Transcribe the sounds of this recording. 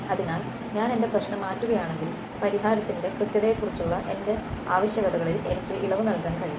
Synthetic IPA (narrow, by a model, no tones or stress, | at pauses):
ɐðinaːl | ɲaːne̞nde̞prɐɕnɐmːaːtːuɣɐjaːɳe̞ŋɡil | pɐɾiɦaːɾɐt̪ːinde̞krɨt̪jɐðejkːurit͡ɕːuɭːɐʔe̞nde̞aːʋɐɕjɐɣɐðɐɣɐɭile̞̰nikʲːriʔiɭɐʋunɐlkaːnkɐɻiju